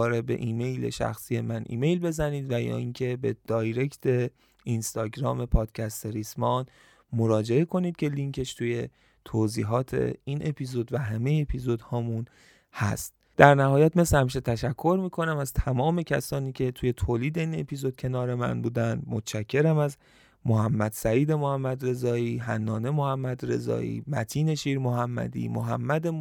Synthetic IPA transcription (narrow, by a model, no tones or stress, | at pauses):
ɒːɾebe̞̰ʔiːme̞jle̞̰ʃæ̰xsiːje̞mænʔḭːme̞jlbe̞zæniːd̪væjɒ̰ːiːnkʰe̞bed̪̥ɒːjɾe̞kt̪ʰe̞ | inst̪ɒːɡɾɒːme̞pʰɒːd̪̥cʲʰæst̪eɾismɒːn | moɾɒːd͡ʒe̞e̞kʰo̞niːd̪̚cʲʰe̞liŋkʰeʃt̪ʰuːje̞ | t̪ʰoːziːɦɒːt̪ʰe̞̰inʔe̞pʰizod̪væɦæme̞jeːpʰizod̪hɒːmun | hæ̰st̪ | d̪̥æɾnæhɒːjæt̪me̞slehæmiːʃ̬e̞t̪ʰæʃækʰːo̞ɾmiːkʰo̞næmæzt̪ʰæmɒːme̞cʰæsɒːniːcʰe̞t̪ʰuːje̞t̪ʰoːliːd̪e̞iːne̞̰pʰizo̞d̪̚cʰe̞nɒːɾe̞mæ̰nbuːd̪ænd̪mot̪t͡ʃækʰːe̞ɾæmæz | moɦæmːæd̪̥sæiːd̪e̞mohæmːæd̪ɾe̞zɒːiːɦænːɒːne̞mohæmːæd̪ɾe̞̰zɒ̰ːʔḭːmæ̰t̪ʰiːne̞ʃiːɾmoɦæmːæ̰d̪ḭːmo̰ɦæ̰mːæd̪e